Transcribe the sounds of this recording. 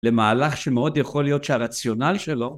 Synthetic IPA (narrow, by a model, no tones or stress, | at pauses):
lemaːlaχʃemeo̞d̪jaχo̞lijo̞t̪ʃeaʁat͡sjo̞nalʃelo̞